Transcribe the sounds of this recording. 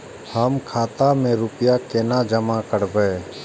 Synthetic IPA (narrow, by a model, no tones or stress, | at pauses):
həmkʰaːt̪amẽɾupjakeːnad͡ʒəmakəɾbəː